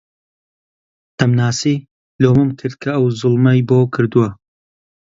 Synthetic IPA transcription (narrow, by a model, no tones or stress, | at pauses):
t̪ɐmnaːsiː | loːmɨmkʰɨɾd̪̚kʰɐɐwzʊlˠmɐjboːkʰɨɾd̪uwɐ